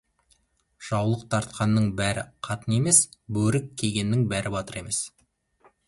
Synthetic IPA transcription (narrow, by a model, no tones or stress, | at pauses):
ʒ̥ɑwlˠəq̚t̪ʰɑɾt̪̚qɑnːəɴbæɾɪ̰qʰɑt̪əne̞me̞sbɵɾɪkʲʰːe̞jɡʲe̞nːɪŋbæɾɪbɑt̪əɾe̞me̞s